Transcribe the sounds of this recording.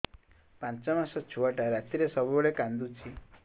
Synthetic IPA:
pãnt͡ʃɔmasɔt͡ʃʰuaʈaɾat̪ʰiɾesɔbɔɭekand̪ut͡ʃʰi

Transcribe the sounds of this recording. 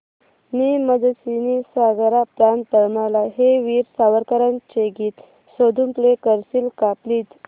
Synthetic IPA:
niməd͡zəsinisaɡɾapɾant̪əɭmalaɦeʋiːɾsaʋəɾkaɾant͡ɕeɡiːt̪ | sod̪ʱumplekəɾsilkapliːt̪

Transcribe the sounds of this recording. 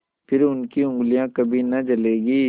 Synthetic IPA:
pʰɪɾʊnkiʊ̃ŋɡlijãkɐbʱinɐt͡ʃɐleːɡiː

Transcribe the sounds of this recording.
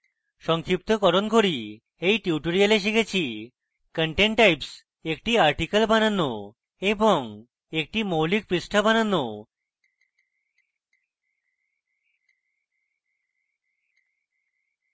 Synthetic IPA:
ʃɔŋkʰip̚t̪okɔɾonkoɾi | ejʈuwʈoɾialeʃ̬ikʰet͡ɕʰi | kəɳʈeɳʈʈːajps | ekʈiaɾʈikəlbananːo | eboŋ | ek̚ʈimowlik̚pɾisʈʰabananːo

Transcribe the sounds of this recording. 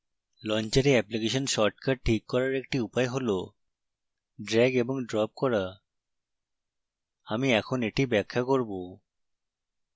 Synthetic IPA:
lɔnt͡ɕaɾeɛplikeʃonʃɔɾʈkaɖ̚ʈʰːikːɔɾaɾekʈiupaeɦolo | ɖɾɛɡeboŋɖɾɔp̚kɔɾa | amiɛkʰoneʈibɛkʰːakoɾbo

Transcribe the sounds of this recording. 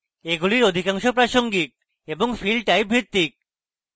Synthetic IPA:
eɡuliɾod̪ʱikaŋʃopɾaʃoŋɡik̚ | eboŋfilɖʈajbʱiɾt̪ːik̚

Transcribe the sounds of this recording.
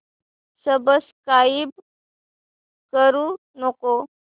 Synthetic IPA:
səbəskaib | kəɾu | noko

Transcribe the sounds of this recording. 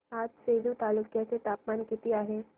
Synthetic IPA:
aːd͡ʒseːd̪ut̪aːlʊkjaset̪aːpmaːnkit̪iaːɦeː

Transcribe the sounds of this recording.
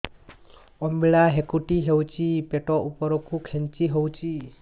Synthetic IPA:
ɔmbiɭaɦekuʈiɦewt͡ʃipeʈɔʔupɔɾɔkukʰent͡ʃiɦɔwt͡ʃi

